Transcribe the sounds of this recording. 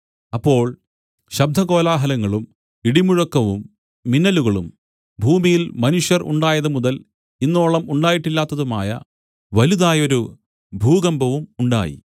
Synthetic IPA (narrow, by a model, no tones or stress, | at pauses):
ɐpːo̞ːɭ | ɕɐb̚d̪ʱɐɣo̞ːlaːɦɐlɐŋːɐɭum | iɽimuɻɐkːɐʋumː | inːɐluɣɐɭum | bʱuːmijilmɐnuʂjɐrṵɳɖaːjɐðɐmuðɐl | inːo̞ːɭɐmuɳɖaːjiʈːilːaːt̪ːɐðuma̰ːjɐ̰ | ʋɐluðaːjo̞ɾu | bʱuːɣɐmbʱɐʋumuɳɖa̰ːjḭ